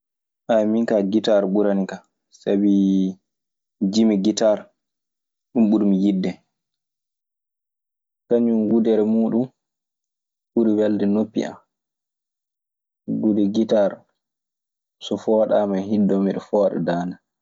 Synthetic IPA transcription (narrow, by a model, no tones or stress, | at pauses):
ʔajmiŋkaɡitaɾɓuɾanika | sabi | d͡ʒimiɡitaɾ | ɗumɓuɾmijidːɛ | kaɲumɡudɛɾɛmuːɗum | ɓuɾiwɛldɛnopːḭʔa̰m | ɡudɛɡitaɾ | sɔfɔːɗamanhidːɔmiɗɔfɔːɗa̰daːna